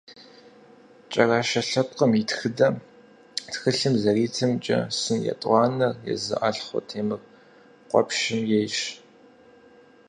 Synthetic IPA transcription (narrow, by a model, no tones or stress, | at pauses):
t͡ʃʼɐraːʃɐɬɐp̚qəmitxɨdɐ | txɨɬɨmzɐriːtʰɐmt͡ʃʼɐ̰sɨnjɛ̰tʼʷɑːnɐrjɛ̰zɨ̰ʔɐɬχʷʊ̰tʰeːmɨr | qʷɔ̰pʃɪmjejʃ